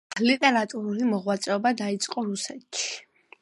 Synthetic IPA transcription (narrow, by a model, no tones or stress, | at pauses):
lit̪ʼɛɾat̪ʼuɾulimɔʁwat̪sʼɛɔbad̪ait̪sʼqʼɔɾusɛt̪t͡ʃi̥